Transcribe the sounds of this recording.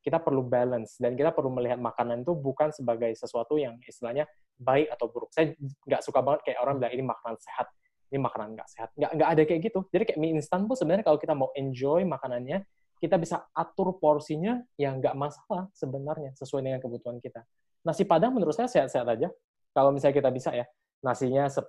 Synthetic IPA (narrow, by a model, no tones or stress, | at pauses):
kit̪apərlubalənsdankit̪apərluməliɦat̪̚makananit̪ubukansəbaɡajsəsuat̪ujaŋist̪ilahɲa | baɪkat̪awbəɾʊk̚sajaŋɡaʔsukabaŋət̪̚kajaʔoɾaŋbilaŋinimakanansehat̪̚ | inimakananŋɡa̰ʔseɦat̪̚ŋɡaʔŋɡaʔːdakajɛk̚ɡit̪ud͡ʒadikajaʔmiinst̪anpʊsəbənarɲakalawkit̪amauʔɛɲd͡ʒɔjmakananɲa | kit̪abisaːt̪ʊrporsiɲajaŋɡaʔmasalasəbənarɲasəsuajdəŋankəbut̪uɦankit̪a | nasipadaŋmənəɾʊt̪sajasehat̪seɦat̪ad͡ʒa | kalawmisalɲakit̪abisaja | nasiɲasə